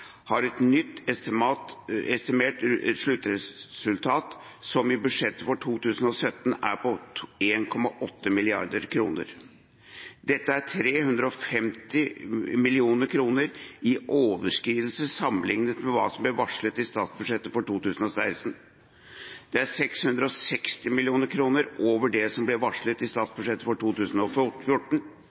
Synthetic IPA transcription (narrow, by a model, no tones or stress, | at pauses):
hɑɾɛt̪nʏt̪ː | ɛst̪ɪmeːʈ̪ʂɭʉt̪ːəɾɛsʉlt̪ʰɑːt̪ | sɔmɪbʉd̪ʂɛt̪ːəfɔʈʰuːt̪ʉːsən̩ɔsœt̪ːn̩æ̰ɾpʰɔeːnkʰɔmɑʔɔt̪ːəmɪlɪɑ̰ɾd̪əɾkʰɾṵːnə̰ɾ | d̪ɛt̪ːəæʈʰɾeːhʉnd̪ɾəɔfɛmt̪ɪmɪlɪuːnəɾkʰɾuːnəɾɪʔoːʋəʂkɾiːʋl̩səsɑmːlɪŋnət̪mɛʋɑ̰ːsɔmblɛʋɑʂlət̪ɪst̪ɑːt̪sbʉd̪ʂɛt̪ːəfɔʈuːt̪ʉːsn̩ɔsæɪst̪n | d̪̥ɛæɾsɛkshʉnd̪ɾəɔsɛkst̪ɪmɪlɪuːnəɾkʰɾuːnəɾoːʋəɖɛsɔmblɛʋɑʂɭət̪ɪst̪ɑːt̪sbʉʂɛt̪ːəfɔʈʰuːt̪ʉːsn̩ɔffjʊʈːɳ̩